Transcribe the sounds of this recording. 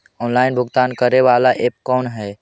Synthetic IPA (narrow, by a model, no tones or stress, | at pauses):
ɔːnlaːɪnbʱʊɡt̪aːnkəɾeʋalaʔep̚kɔːnɦɛ